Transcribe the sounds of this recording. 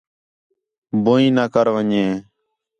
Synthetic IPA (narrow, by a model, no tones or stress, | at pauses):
boːĩːnaːkəɾʋəɲẽː